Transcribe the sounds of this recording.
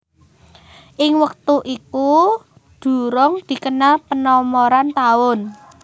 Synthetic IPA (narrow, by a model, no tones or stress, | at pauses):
ʔɪŋwək̚t̪uʔiku | d̪̥ṳɾɔŋd̪̥i̤kənalpənɔmoɾant̪aʊn